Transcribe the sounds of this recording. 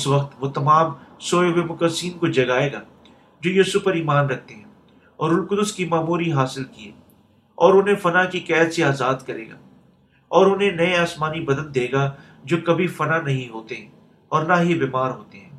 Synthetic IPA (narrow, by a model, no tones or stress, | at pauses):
ɪsʋɐqt̪ʋoːt̪ɐmaːmsoːjoɡemʊkəd̪siːnkod͡ʒɐɡaːeːɡaː | d͡ʒoːjuːsʊfpɐɾiːmaːnɾɐk̚ʰt̪eɦɛ̃ː | ɔːɾʊlkʊd̪ʊskimaːmuːɾiɦaːsɪlkieː | ɔːɾʊnɦẽfɐnakikɛːt̪seaːzaːd̪kɐɾḛːɡa̰ː | ɔːɾʊnɦẽnɐeaːsmaːnibɐd̪ə̃nd̪d̪eːɡa | d͡ʒoːkɐbʱifɐnanɐɦĩɦoːt̪eɦɛ̃ː | ɔːɾnaɦibeːmaːɾɦoːt̪eɦɛ̃ː